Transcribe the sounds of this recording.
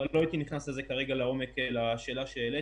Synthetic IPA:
alloait̪iniχnaseze̞kaʁe̞ɡaleo̞me̞kelaʃe̞ːlaʃeele

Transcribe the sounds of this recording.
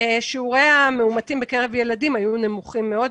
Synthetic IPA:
eʃiuʁejameumatimbekeʁe̞vje̞ladimajune̞muχimːe̞o̞d

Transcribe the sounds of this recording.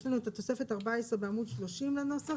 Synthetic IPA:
lɛnuɛt̪at̪osɛfɛt̪aʁbaɛsʁbeamud̪ʃloʃimlanɔsa

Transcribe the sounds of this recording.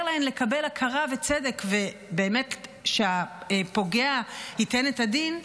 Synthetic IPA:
laemle̞kabe̞lakʰaʁavet͡sede̞kve̞ | be̞ːme̞tʃeapo̞ɡeahitenetadin

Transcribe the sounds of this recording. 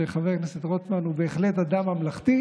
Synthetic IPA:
eχaveʁneset̪ʁot̪manubeːχle̞t̪ad̪amamlaχt̪i

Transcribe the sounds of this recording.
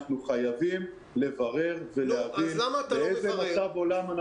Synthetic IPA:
χnuχajavim | le̞vaʁe̞ʁve̞lehavinateezemasavo̞lamana

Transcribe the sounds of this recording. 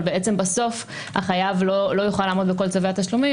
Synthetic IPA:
lbeʔet͡se̞mbaso̞f | a̰χajavlolo̞juχalːaːmo̞d̪beko̞lt͡saveat̪aʃlumi

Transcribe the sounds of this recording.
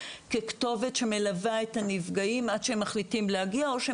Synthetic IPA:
kekto̞ve̞tʃe̞me̞lavaetanivɡaimadʃeemːaχlitimlehaɡiao̞ʃe

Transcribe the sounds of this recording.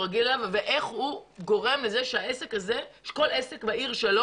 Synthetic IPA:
ʁaɡilalavveʔe̞χhuɡo̞ʁe̞mleze̞ʃeaese̞kaze̞ʃe̥ko̞lesekbaiʁʃalo

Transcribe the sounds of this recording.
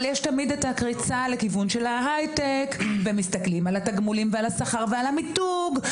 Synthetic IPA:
ljɛʃtamid̪etakʁit͡salekivunʃe̞laɦajtekvemist̪ɐklimalataɡmulimvealasaχaʁvealamituɡ

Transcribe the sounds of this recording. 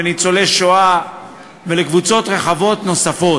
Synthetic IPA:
enit͡so̞leʃoa | velekvut͡so̞t̪ʁe̞χavo̞t̪no̞safo̞

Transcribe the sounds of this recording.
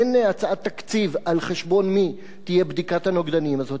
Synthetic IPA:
eneat͡sat̪ːakt͡sivalχeʃbo̞nmi | t̪ije̞bd̪ikat̪hanoɡd̪animazo̞t

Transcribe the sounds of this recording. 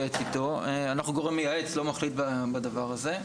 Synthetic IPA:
et͡sit̪o̞eanaχnuɡo̞ʁemːijaet͡slo̞maχlit̪̚babadavaʁaze̞

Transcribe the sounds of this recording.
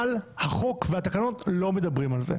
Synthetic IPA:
lhaχo̞kveat̪akano̞tlo̞me̞d̪abʁimalzḛ

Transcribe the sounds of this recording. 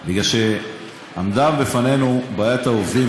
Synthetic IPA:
biɡlalʃe | amd̪avbefane̞nubaːjat̪aovd̪i

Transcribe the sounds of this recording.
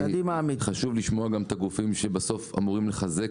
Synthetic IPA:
ad̪imaːmiχaʃuvliʃmo̞aɡamet̪aɡufimʃe̞baso̞fa̰muʁimleχaze̞

